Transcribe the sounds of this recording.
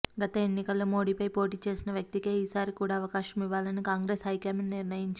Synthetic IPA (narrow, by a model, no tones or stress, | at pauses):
ɡɐt̪ɐe̞nːikɐlːoːmo̞ːɽiːpɐjpo̞ːʈiːt͡ʃe̞ːsinɐʋjɐk̚t̪ikeːiːsaːɾikuːɽaːɐʋɐkaːʃɐmiʋːaːlɐnikaːŋɡɾesɦɐjkeːminniɾnɐjiɲt͡ʃi